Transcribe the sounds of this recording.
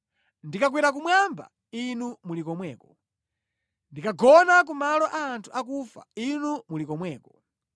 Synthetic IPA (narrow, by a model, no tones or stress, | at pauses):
ndikak̬wiɾak̬umwamba̰ | inumulikɔmwɛːkɔ | ndikaɡɔnak̬umalɔʔaːntʰuʔak̬ufa̰inumulikɔmwɛːkɔ